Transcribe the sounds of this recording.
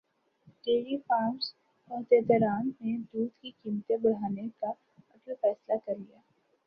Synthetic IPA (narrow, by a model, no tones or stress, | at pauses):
eːɾifaːms | ɔːt̪ed̪ɔɾaːnmẽd̪uːd̪kikiːmt̪ebɐɽ̤aːneka | ɐɡlafɛːslakɐɾlijaː